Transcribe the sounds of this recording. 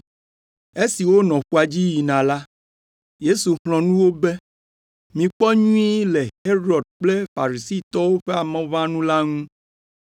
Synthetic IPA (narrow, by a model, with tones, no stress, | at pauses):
e˦si˨wo˦nɔ̃˨ɸu˦a˨d͡ʑi˦ji˨nã˨la˦ | je˦su˨ɦlɔ̃˨nũ˦wo˦be˦ | mĩ˨k͡pɔ˦ɲũ˦i˦le˨he˦ɾɔ˨d̚k͡ple˦fa˨ɾi˨si˦˨t̪ɔ˦wo˦ɸe˦a˨mɛ̃˨vã˦nũ˦la˦ŋũ˦